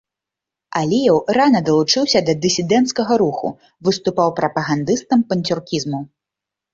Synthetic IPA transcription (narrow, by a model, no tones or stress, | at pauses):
alʲijɛwranɐd̪ɐlˠut͡ʂɨwsʲɐd̪ɐd̪ɨsʲid̪ɛnt̪skɐɣɐɾuxṵ | vɨst̪upawpɾɐpɐɣand̪ɨst̪ɐmpɐnʲt̪ʲurkʲizmu